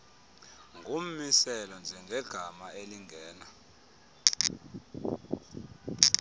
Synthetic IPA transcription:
ŋɡʱum̩misɛlɔnd͡ʒʱɛŋɡʱɛɡ̥ʱamaeliŋʱɛːna

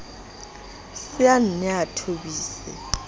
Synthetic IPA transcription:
siannatʰoɓiːsɛ̰

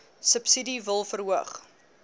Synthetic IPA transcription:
səpsidivəlˠfərɦuəχ

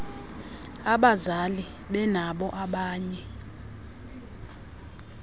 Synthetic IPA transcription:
aɓazali | ɓɛnaɓɔʔaɓaːɲɛ

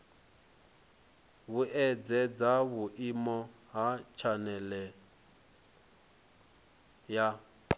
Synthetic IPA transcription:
βuʔɛd͡zɛd͡zaβuʔimɔ | ɦat͡ʃʰanɛlɛ | ja

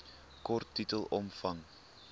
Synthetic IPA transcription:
kɔrtːitəlˠʔɔmfɐŋ

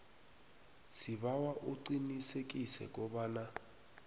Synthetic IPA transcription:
sibawaʔʊǀinisekʼisɛ̰kʼɔbaːna

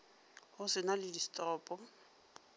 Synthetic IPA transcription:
hʊsɪnalɪdistʼɔːpʼɔ

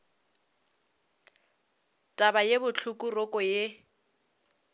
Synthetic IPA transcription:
tʼabajebʊt͡ɬʰukʼurokʼɔje

